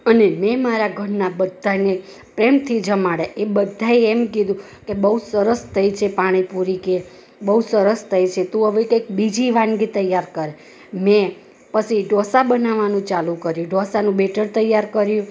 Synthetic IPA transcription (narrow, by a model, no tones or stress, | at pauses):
ənemɛmaɾaɡʱəɾnabəd̪ʱːane | pɾemt̪ʰid͡ʒəmaɽeʔebəd̪ʱːaeemkid̪ʱũ | kebəɦusəɾəst̪ʰəjt͡ʃʰepaɽ̃ipuɾike | bəusəɾəst̪ʰəjt͡ʃʰet̪ũəʋekek̚bid͡ʒiʋãnɡit̪əjaɾkəɾe | mẽ | pət͡ʃʰiɖʱɔsabənaʋanũt͡ʃalũkəɾjũɖʱɔsanũbeʈəɾt̪əjaɾkəɾjũ